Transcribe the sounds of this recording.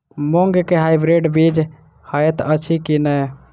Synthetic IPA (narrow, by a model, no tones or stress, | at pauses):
moŋɡkeɦajbɾeɖbid͡ʒ | həjt̪ət͡ʃʰikinəj